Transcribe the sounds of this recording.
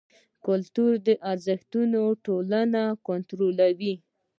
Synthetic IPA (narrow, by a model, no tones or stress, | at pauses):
kʊlt̪uɾd̪əʔaɾzəxt̪unoʈolanakont̪ɾolawi